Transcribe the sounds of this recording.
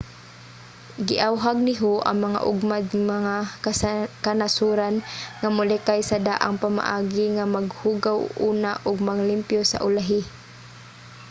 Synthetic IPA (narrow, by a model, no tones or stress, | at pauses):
ɡɪʔawɦaɡ̚nɪɦoʔa̰ŋmaŋa̰ʔʊɡmad̪maŋa | kanasuɾanŋamʊlɛkajsad̪aʔa̰ŋpama̰ʔaːɡɪŋamaɡhuːɡawuːnaʔʊɡmaŋlɪmpjosa̰ʔʊlaɦɪ